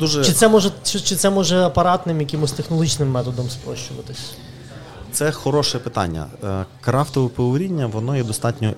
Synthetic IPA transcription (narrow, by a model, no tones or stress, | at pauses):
d̪uʒɛt͡ʃɪt̪sɛmɔʒɛt͡ʃt͡ʃɪt̪sɛmɔʒɛɐpɐɾɑt̪nɪmjɐkɪmʊsʲt̪exnɔlˠɦit͡ʃnɪmːɛt̪ɔd̪ɔmspɾɔ̰ʃt͡ʃʊʋɐ̰t̪ɪsʲ | t̪sɛxɔɾɔʃɛpɪt̪ɑ̰nʲːɐ̰kɾɑft̪ɔʋɔpɔʊɾʲinʲːɐʋɔnɔjɛd̪ɔst̪ɑtʲnʲɔ